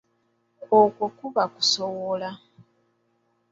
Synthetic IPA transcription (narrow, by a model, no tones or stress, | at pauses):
okwokuβaku̥sowola